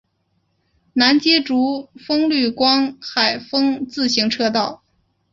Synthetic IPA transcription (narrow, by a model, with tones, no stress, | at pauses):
na˧˥nt͡ɕɛ˥ʈ͡ʂu˧˥fɤ˥ŋly˥˩kwɑ˥ŋxa˨˩ɪfɤ˥ŋt͡sɹ̩˥˩ɕi˧˥ŋʈ͡ʂʰɤ˥˧t̪̬ɑ˥˩ʊ